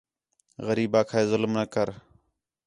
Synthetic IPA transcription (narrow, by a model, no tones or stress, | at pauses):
ɣəɾiːbaːkʰaːeːzʊlmnəkəɾ